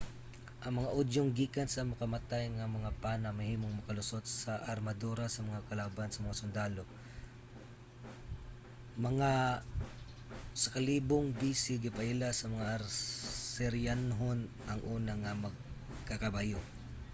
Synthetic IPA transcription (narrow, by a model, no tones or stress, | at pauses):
ʔɐŋmɐŋaʔod̪joŋɡiːkansamʊkɐmat̪ajŋamɐŋapanamɐhiːmoŋmɐkalʊsot̪̚saʔɐɾmad̪uɾasɐmɐŋakɐlabansɐmɐŋasʊnd̪alo | mɐŋa | sɐkaliːboŋbiːsɪɡɪpaʔɪlasɐmɐŋaʔɾsɛɾjanɦon | ʔɐŋʔuːnaŋamɐɡ̚ | kakabajo